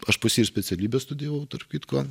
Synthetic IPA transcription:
ɐʃpɐsʲiːrsʲpʲɛt͡s̪ʲɛlʲiːbʲɛst̪ʊd̪ʲɪijɛʋɐʊt̪ɐrpʲkʲiːt̪koːn

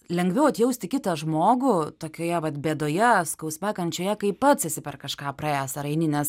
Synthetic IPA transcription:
lʲɛŋɡʋʲɛʊɐt̪jɛʊsʲt̪ʲɪkʲɪt̪ɐʒmoːɡʊt̪oːkʲoːjɛʋɐt̪bʲeːd̪oːjɛskɐʊsʲmʲæːkɐnʲtt͡ʃʲoːjɛkɐɪpɐt̪sɪsʲɪpʲɛrkɐʃkɑːprɑæːsɐɾɐɪnʲɪnʲɛs

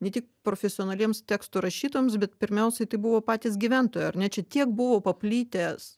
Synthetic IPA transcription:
nʲɛt̪ʲɪkpɾoːfʲɛsʲɪoːnɐlʲiɛmst̪ʲæːkst̪uːɾɐʃʲiːt̪ojomsbʲɛt̪pʲɪɾʲmʲɛʊsʲɛɪt̪ɐɪbuʋoːpɑːt̪ʲiːs̬ɡʲiʋʲænt̪oːjɛɐɾnʲɛt͡ʃʲɛt̪ʲiɛkbʊʋoːpɐpʲlʲiːt̪ʲeːs

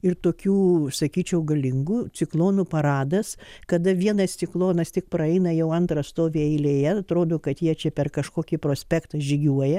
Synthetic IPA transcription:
ɪrt̪oːkʲuːsɐkʲiːt͡ʃʲɛʊɡɐlʲɪŋɡuːt͡s̪ʲɪklˠoːnupɐɾɑːd̪ɐskɐd̪ɐʋʲiɛnɐst̪t͡s̪ʲɪklˠoːnɐst̪ʲɪk̚pɾɐɛɪnɐjɛʊɐnt̪ɾɐst̪oːʋʲeːɛɪlʲeːjɛɐt̪ɾoːd̪oːkɐt̪jiɛt͡ʃʲɛpʲɛrkɐʃkoːkʲipɾoːsʲpʲækt̪ɐʒʲɪɡʲuɔjɛ

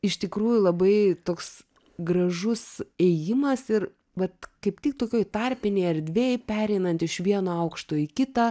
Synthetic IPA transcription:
ɪʃt̪ʲɪkɾuːjʊlˠɐbɐɪt̪oːks | ɡɾɐʒʊsɛjɪmɐsɪr | ʋɐt̪kɐɪpt̪ʲɪk̚t̪oːkʲoːjt̪ɑrʲpʲɪnʲeːɐrd̪ʲʋʲeːjpʲæːɾʲɛɪnɐnt̪ɪʃʋʲiɛnoɐʊkʃt̪oːikʲɪt̪ɐː

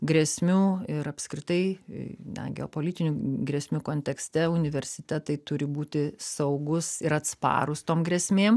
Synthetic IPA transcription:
ɡɾʲɛsʲmʲuːɪɾɐpskɾʲɪt̪ɐɪ̰nʲɛ̰ɡʲɛ̰o̰ːpoːlʲiːt̪ʲɪnʲuɡɾʲɛsʲmʲukoːnʲt̪ʲɛksʲt̪ʲɛʊnʲɪʋʲɛɾʲsʲɪt̪ʲɛt̪ɐɪt̪ʊɾʲɪbuːt̪ʲɪsɐʊɡʊsɪɾɐt̪spɑ̰ːɾʊst̪oːmɡɾʲɛsʲmʲeːm

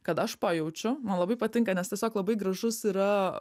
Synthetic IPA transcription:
kɐt̪ɐʃpɐjɛʊt͡ʃʲʊmɐnlˠɐbɐɪpɐt̪ʲɪŋkɐnʲɛst̪ʲiɛsʲoːklˠɐbɐɪɡɾɐʒʊsiːɾɐ

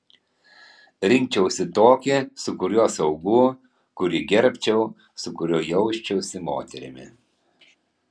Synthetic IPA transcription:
ɾʲɪŋʲkʲt͡ʃʲɛʊsʲɪt̪oːkʲɪsʊkʊɾʲoːsɐʊɡuː | kʊɾʲɪɡʲɛɾʲpʲt͡ʃʲɛʊ | sʊkʊɾʲoːjɛʊʃʲt͡ʃʲɛʊsʲɪmo̰ːt̪ʲɛɾʲɪ̰mʲɪ̰

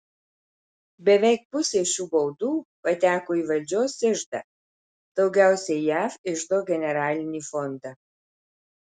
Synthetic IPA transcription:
bʲɛʋʲɛˑɪk̚pʊsʲeːʃʲuːbɐʊd̪uːpɐt̪ʲæːkoːiːʋɐlʲd͡ʒʲoːsʲɪʒd̪ɐ | d̪̥ɒʊɡʲɛˑʊsʲɛɪjæːfɪʒd̪oːɡʲɛnʲɛɾɑːlʲɪnʲiːfɔnd̪ɑ

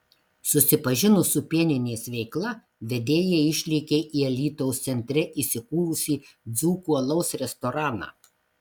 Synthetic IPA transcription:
sʊsʲɪpɐʒʲɪnʊsʊpʲiɛnʲɪnʲeːsʋʲɛɪklˠɐ | ʋʲɛd̪ʲeːjɛɪʃʲlʲɪːkʲeʔiɐlʲiːt̪ɔʊst̪sʲɛnʲt̪ʲɾʲɛʔisʲɪkuːɾʊsʲiː | d̪zuːkuɐlˠɐʊsɾʲɛst̪ɔɾɑːnɑ̰ː

